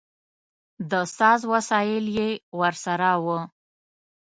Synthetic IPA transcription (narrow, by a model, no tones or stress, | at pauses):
d̪əsɑzwasɑjɪljewəɾsaɾawə